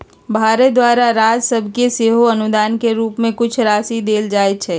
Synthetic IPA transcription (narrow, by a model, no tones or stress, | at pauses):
bʱaːɾed̪waːɾaɾaːd͡ʒsəbʱkeseːɦoɐnʊd̪aːnkeɾuːpmẽkʊt͡ʃʰɾaːsid̪eːld͡ʒaːet͡ʃʰɛː